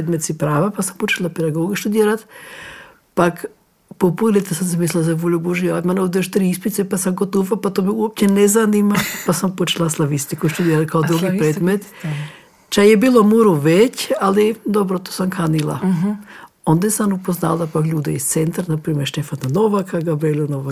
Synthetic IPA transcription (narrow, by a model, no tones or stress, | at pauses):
ed̪met̪sipɾaːʋapasampot͡ʃelˠaped̪aɡoːɡʃt̪ud̪iːɾat̪ | pak | populit̪asamsemisliazaboʎuboʒijad̪manod̪ioʃt̪ɾiispit̪sepasamɡot̪ufapat̪omiuop̚t͡ɕenezanimapasampot͡ʃelaslˠaʋist̪ikoiʃt̪ud̪ieɾat̪kʰaod̪ɾuɡipɾeːd̪met̪ | t͡ʃajebiːlˠomuɾuʋet͡ɕalid̪obɾot̪o̥samkʰanilˠa̰ | ond̪asanupoznaldapakʎuːd̪eist̪sent̪ɾanapɾiːmʲeɾʃt̪efananoʋakaɡabɾelʲunoʋa